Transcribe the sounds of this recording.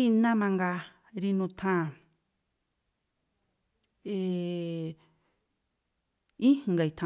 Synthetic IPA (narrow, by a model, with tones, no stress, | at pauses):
i˦˧nã˦mã˧ŋɡa˧ | ɾi˧nũ˧t̪ʰã˦˧˨ | e˧˨ | ĩ˦˧ŋɡa˧˨i˨˧t̪ʰã˧